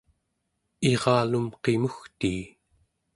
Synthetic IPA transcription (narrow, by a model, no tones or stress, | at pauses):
eʁɑːlumqe̞muxt̪iː